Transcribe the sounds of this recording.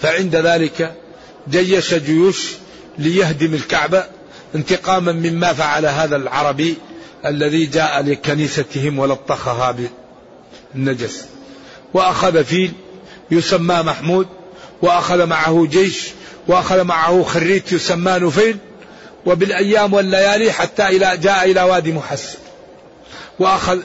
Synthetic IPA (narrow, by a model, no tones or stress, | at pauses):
faʕɪnd̪aðaːlɪka | d͡ʒajːaʃad͡ʒʊjuːʃ | lɪjahd̪ɪmɪlkaʕba | ʔɪnt̪ɪqɑːmamɪmːafaʕalaɦaːðalʕɑɾˤɑbiʔalːaðid͡ʒaːʔalɪkaniːsaɪhɪmwalɑt̪ˤːɑxaɦabɪ | nːad͡ʒas | wɪʔaxaðafiːl | jʊsamːaːmaħmuːd̪̚ | wɪʔaxaðamaʕahʊd͡ʒeːʃ | wɪʔaxaðmaʕahʊxarːiːt̪jʊsamːaːnʊfeːl | wɪbɪlʔajːaːmwɪlːajaːliħat̪ːaʔɪlad͡ʒaːʔaʔɪlawaːd̪iːmʊħasːḁn | wɪʔaxað